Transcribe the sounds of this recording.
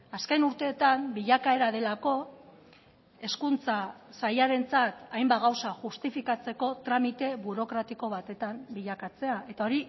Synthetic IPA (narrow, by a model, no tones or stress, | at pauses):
askajnuɾt̪e̞ːt̪ambiʎakaeɾað̞e̞lako̞ | e̞skunt͡sasajaɾe̞nt͡sat̪ajmbaɣawsaʝust̪ifikat͡se̞ko̞t̪ɾamit̪e̞βuɾo̞kɾat̪iko̞β̞at̪e̞t̪ambiʎakat͡se̞ae̞t̪ao̞ɾi